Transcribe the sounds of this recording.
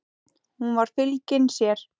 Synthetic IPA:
hunvaɾ̥fɪlcɪnsjɛɾ̥

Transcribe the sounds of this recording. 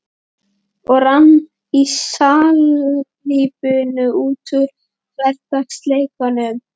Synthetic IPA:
ɔɣranː | isaːlʏliːpʏnʏuːt̪ʏɾ̥ | kʰvɛr̥t̪ast̪leːjkanʏm

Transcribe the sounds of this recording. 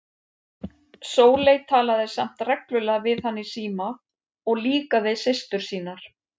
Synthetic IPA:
soːwlejt̪ʰaːlaðɪsam̥t̪rɛklʏlɛɣvɪðhanːɪsiːma | ɔɣliːkaðɪsɪst̪ʏɾ̥siːnaɾ̥

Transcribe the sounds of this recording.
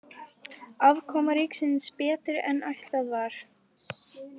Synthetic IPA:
avkʰɔːmaɾiksɪnspɛːt̪ɪɾɛ̰najht̪aðvaɾ̥

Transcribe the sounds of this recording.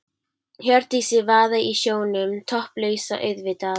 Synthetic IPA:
ɦœɾt̪isɪvaːðaʔisjoːwnʏmt̪ʰɔhplœːɥsa̰ʔœɥðvɪt̪a

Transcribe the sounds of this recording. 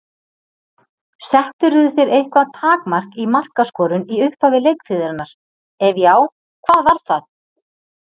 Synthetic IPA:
sɛht̪ʏɾðʏθeɾejhkvat̪ʰaːkmar̥kimar̥kaskɔːɾʏniʏhpavɪlejkfɪːðɪɾanːaɾ̥ | ɛvjaːw | kʰvaːðvaɾ̥θaθ

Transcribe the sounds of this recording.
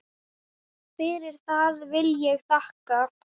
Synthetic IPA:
fɪɾɪɾ̥θaðvɪljɛɣθahka

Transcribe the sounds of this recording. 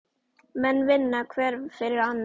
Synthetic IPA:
mɛnvɪnːakʰvɛɾfɛɾɾan

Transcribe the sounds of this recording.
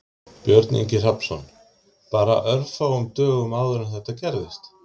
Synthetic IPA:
pjœɾt̪nḭɲcɪr̥apsɔn | paːɾa̰ʔœɾfawʏmt̪œːɣʏmaːwðʏɾɪnθɛht̪acɛɾðɪst̪

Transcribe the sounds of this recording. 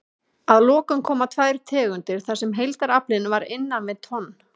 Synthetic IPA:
aðlɔːkʏmkʰɔːmat̪ʰvaːjɾ̥t̪ʰɛːɣʏnt̪ɪɾ̥θasɛmɦejlt̪aɾaplɪnvaɾɪnːamɛðt̪ʰɔnː

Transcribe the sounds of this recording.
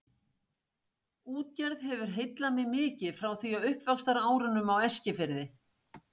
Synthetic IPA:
uːt̪̚cɛɾðɦɛvʏɾ̥ɦejt̪lamɪmɪːcɪfɾawθiaʏhpvakst̪aɾaːwɾʏnʏmawɛscɪfɪɾðɪ

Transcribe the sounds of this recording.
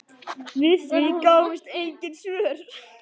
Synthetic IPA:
vɪθikaːwɪst̪ejɲcɪnsʏːɾ̥

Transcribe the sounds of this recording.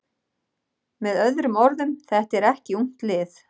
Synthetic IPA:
mɛðœðɾʏmɔɾðʏmθɛht̪ɛɾɛhcɪuŋ̥t̪lɪːθ

